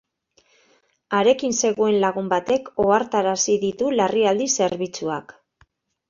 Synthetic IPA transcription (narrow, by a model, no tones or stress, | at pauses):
aɾe̞kinse̞ɣue̞nlaɣ̞umbat̪e̞ko̞aɾt̪aɾasiðit̪ulariald̪ise̞ɾβ̞it͡sua̰k